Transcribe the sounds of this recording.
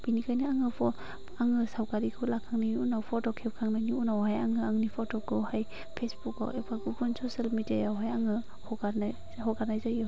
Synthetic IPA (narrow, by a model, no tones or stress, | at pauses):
b̥inikʰajniaŋɯpʰɔ | aŋɯsawkaɾikʰɯlakʰaŋniiunawpʰɔtɔkʰepkʰaŋnaniunawhajaŋɯaŋnipʰɔtɔkɯwhaj | pʰesbuka̰wepʰaɡubʰunsosalmidajawɦajaŋɯ | hɔɡaɾna | hɔkaɾnajzajɔ